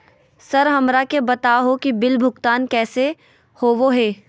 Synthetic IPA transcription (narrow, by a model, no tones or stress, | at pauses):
sɐɾɦɐmɾakebɐt̪aɦokibɪlbʱʊkt̪aːnkɛːse | hoːʋoɦɛː